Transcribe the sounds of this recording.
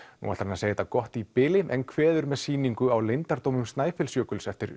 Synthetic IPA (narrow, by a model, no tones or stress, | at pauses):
nṵa̰ɾt̪aɾmɛnaseːjɛt̪akɔht̪ipɪlɪʔɛnkʰvɛːðʏɾmɛðsiːniŋkʏawlejnt̪aɾt̪owmʏmst̪naːjfɪlsjœːkʏlsɛft̪ɪɾ